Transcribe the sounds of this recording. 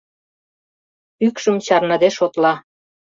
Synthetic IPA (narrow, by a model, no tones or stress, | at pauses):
ykʃə̆mt͡ɕɑrnɤ̆d̪eʃot̪lɑ